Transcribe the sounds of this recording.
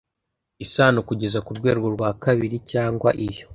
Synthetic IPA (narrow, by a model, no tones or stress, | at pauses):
isaːnukuɟe̞zakuɾɡwe̞ːɾɡo̞ɾɡwaːkaβiɾicaːŋɡwa̰ʔijo̞